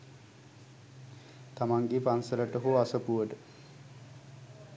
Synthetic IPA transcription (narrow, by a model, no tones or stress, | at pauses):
t̪amaŋɡepansələʈəɦoasəpuʋəʈə